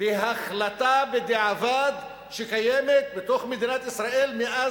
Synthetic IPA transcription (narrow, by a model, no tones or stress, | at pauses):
beɦaχlat̪abed̪eʕavad̪ | ʃe̞kajemet̪̚bet̪o̞χmed̪inat̪isʁaʔe̞lmeʔa